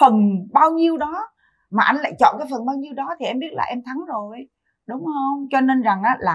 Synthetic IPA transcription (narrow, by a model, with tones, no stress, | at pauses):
fə˨˩nɓaː˧wɲi˧əwɗɔ˨˦ | maː˨˩ʔa˧ŋ̟la̰ː˧˨jt͡ɕɔ̰˧˨kaː˨˦jfə˨˩nɓaː˧wɲi˧əwɗɔ˨˦t̪ʰi˨˩ʔɛ˧mɓi˦˥ət̚la̰ː˨˩ʔɛ˧mt̪ʰa˨˦ŋzo˨˩j | ɗʊ˨˦wŋ͡mhə˧wŋ͡mt͡ɕɔ˧ne˧nza˨˩ŋʔaː˨˦laː˨˩